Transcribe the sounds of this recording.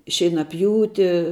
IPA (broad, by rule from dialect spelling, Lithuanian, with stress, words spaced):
ʃʲɛɪnɐˈpʲjuːtʲɪ